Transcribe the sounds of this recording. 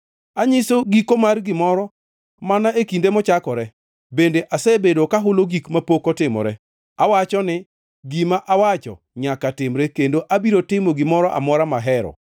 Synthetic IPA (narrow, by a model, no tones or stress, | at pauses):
aɲɪsoɡikomarɡɪmɔɾɔ | manaekindemɔt͡ʃakɔɾɛ | bendeʔasebedokaɦʊloɡikmapokɔtɪmɔ̰ɾɛ | awat͡ʃɔnɪ | ɡimaʔawat͡ʃɔ̰ | ɲakatɪmɾɛkendoʔabiɾotɪmoɡɪmɔɾɔʔa̰mɔɾamaɦɛɾɔ̰